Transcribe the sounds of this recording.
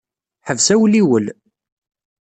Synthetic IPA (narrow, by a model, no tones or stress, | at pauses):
ħəvsæwliwəl